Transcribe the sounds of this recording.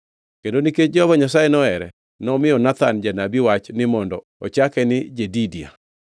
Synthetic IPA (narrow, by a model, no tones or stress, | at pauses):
kendoniket͡ʃd͡ʒɔvɔɲasajɛnɔɛɾɛ̰ | nɔmɪjɔnat̪and͡ʒanabiwat͡ʃnɪmɔndɔ | ɔt͡ʃakɛnɪd͡ʒedidia̰